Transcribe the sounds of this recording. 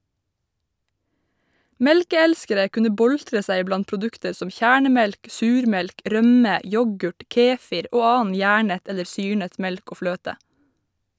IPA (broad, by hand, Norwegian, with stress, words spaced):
ˈmɛlkəˌælskəɾə ˈkʉnə ˈbɔltɹə ˈsæɪ ˈblɑn pɾʊˈdʉktəɹ ˈsɔm ˈçæːɳəˌmɛlk ˈsʉːɾˌmɛlk ˈɾœmə ˈjɔɡʉʈ ˈkeːfɪɾ ˈoː ˈɑːɑn ˈjæːɳət ˈɛləɾ ˈsyːɳət ˈmɛlk ˈoː ˈfløːtə